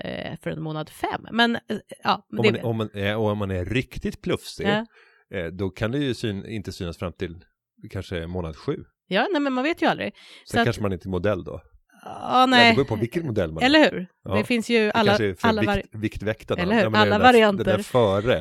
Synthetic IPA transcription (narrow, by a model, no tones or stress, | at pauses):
fœɾɛ̰nmoːnad̪fɛ̰mːɛnɑːmɔd̪ɛnɔmanɛɔɔmanæɾɾɪkt̪ɪt̪pʰlɵfsɪ | d̪ɔkʰand̪ɛjɵsyːnɪ̰nt̪əsyːnasfɾamt̪ʰɪl | kʰanʂənmoːnad̪ɧʉ̟ː | jɑːnɛmɛnmanveːt̪jɵald̪ɾɪ̰ | sɛkakanʂəmanɪnt̪əɛmʊd̪ɛlːd̪ɔ̰ | ɑːnɛuːɾpʰɔvɪkːət̪mʊd̪ɛlːmaɛlːəɾhʉ̟ːɾd̪ɛfɪnsjɵʔalːalːavɪkt̪vɛkt̪aːəhʉːaːavaɾɪant̪əæɾfœːɾə